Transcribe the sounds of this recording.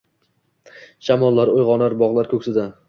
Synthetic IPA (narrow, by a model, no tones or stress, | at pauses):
ʃamɒlˠːaɾojʁɒnaɾbɒʁlˠaɾkʰɵkʲsɪd̪a